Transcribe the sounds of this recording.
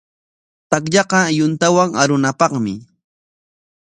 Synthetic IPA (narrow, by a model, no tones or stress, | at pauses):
t̪ak̬ʎɑqɑjʊnt̪awaŋaɾʊnapɑχmɪ̰